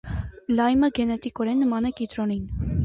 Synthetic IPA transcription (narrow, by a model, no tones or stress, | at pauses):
lɑjməɡɛnɛt̪ikɔɾɛnːəmɑnɛkit̪ɾɔnin